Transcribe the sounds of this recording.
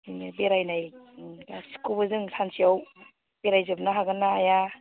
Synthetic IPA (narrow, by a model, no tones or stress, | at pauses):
beɾajnajasi̥kubɯzɯŋsansiaw | b̥eɾajzɯbnaɦaɡɯnːaːja